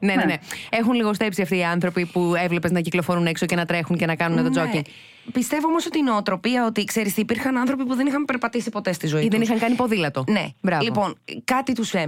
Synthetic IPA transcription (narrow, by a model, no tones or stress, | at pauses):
ne̞nenee̞xunliɣo̞st̪e̞psiɐft̪iːɐnθɾo̞pipue̞vle̞peznɐciklofoɾunekso̞ce̞nɐt̪ɾe̞xunce̞nɐkɐnunet̪od͡zociŋ | pist̪e̞voomo̞so̞t̪ino̞ːt̪ɾo̞piɐo̞t̪ikse̞ɾist̪iːpiɾxɐnɐnθɾo̞pipuðe̞nixɐmpe̞ɾpɐt̪isipo̞t̪e̞st̪izo̞iiðenixɐŋkɐnipo̞ðilɐt̪o̞ne̞bɾɐvlipo̞nkɐt̪it̪usfe